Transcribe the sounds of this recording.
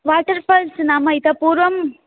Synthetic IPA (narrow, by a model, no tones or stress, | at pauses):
ʋaːʈɐɾfɐːlsnaːmɐjɪt̪ɐpuːɾʋɐm